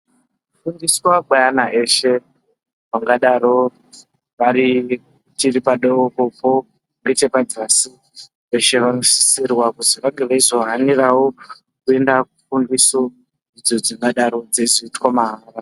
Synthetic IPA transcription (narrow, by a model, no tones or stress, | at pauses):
fundiswaɡajanaʔe̞ʃe̞ | ʋaŋɡaɗaɾo̞ | ʋaɾi | tiripaɗokopo̞ | ŋɡe̞t͡ʃe̞pad͡zasi | ʋe̞ʃe̞ʋanosi̥sirwakutiʋaŋɡe̞ʋaizo̞ɦanirawo | kue̞ndakufundiso | id͡zo̞d͡ziŋɡaɗaɾo̞d͡zeziitkwamaɦara